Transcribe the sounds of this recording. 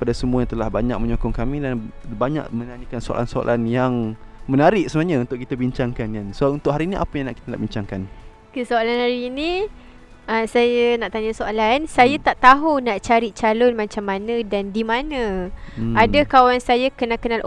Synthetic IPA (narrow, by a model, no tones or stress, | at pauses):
padasəmuajãŋt̪əlahbaɲak̚məɲokɔŋkamĩdanbaɲa̰ʔmə̃naɲəkansoa̰la̰nsoa̰lʔanjaŋmənaɾɪʔ̚səmaɲaunt̪ʊʔkit̪abiɲt͡ʃaŋkanɡansaunt̪ʊʔɦaɾiːniʔa̰pajaŋnaʔki̥t̪ənaʔbiɲt͡ʃaŋkan | kəsoalanhaɾiːnĩ | əsajanaʔt̪aɲasoalansajat̪aʔt̪aɦunaʔt͡ʃaɾiʔt͡ʃalʊnmat͡ʃamːanə̃dandimanə̃ | adakawansajakənaʔkənalʔ